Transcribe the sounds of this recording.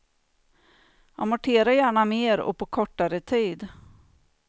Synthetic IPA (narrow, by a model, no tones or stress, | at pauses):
amʊʈʰeːɾajæːɳameːɾɔ̰pʰɔkʰɔʈːaɾət̪ʰiːd̪